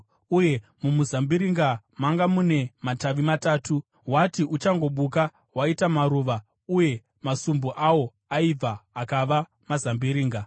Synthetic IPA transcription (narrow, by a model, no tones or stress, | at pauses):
uje̞mumuzambiɾiŋɡamaŋɡamune̞mataʋimataːtu | ɦwatiʔut͡ʃaŋɡo̞ɓuka | waitamaɾuːʋa | uje̞ | masumbuʔawo̞ | aib͡vaakaʋa | mazambiɾiːŋɡa